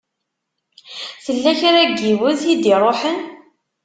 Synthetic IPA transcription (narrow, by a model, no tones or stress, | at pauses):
θəlːæçɾæɡiwʊðid̪iɾˤoħən